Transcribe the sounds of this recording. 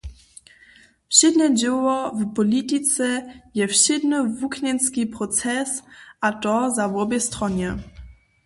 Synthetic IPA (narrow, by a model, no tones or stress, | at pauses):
fɕɪd̪nɛd͡ʑɛwɔvpɔlʲit̪it͡sɛjɛfɕɪd̪nəvukɲɛnskʲipɾɔt͡sɛsʔat̪ɔzavɔbjɛst̪ɾɔɲɛ